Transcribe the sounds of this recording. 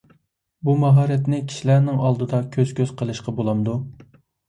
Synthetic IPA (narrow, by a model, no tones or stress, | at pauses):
bumɑɦɑːɾɛt̪nɪkʲʰi̥ʃilæɾnɪŋɑlˠd̪ɨd̪ɑkʲʰøz̥kʲøz̥qʰəlˠɨʃqɑbolˠɑmd̪u